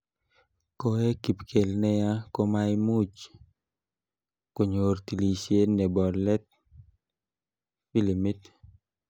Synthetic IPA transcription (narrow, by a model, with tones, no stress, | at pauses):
ko˦e˦ki˨pkʰe˨lnɛ˦ja˦ko˦ma˦jmu˦t͡ʃ | ko˨ɲo˨rt̪i˨li˨sje˦nɛ˨bɔ˨lɛ˦t̪̚ | pi˦li˨mi˦t̪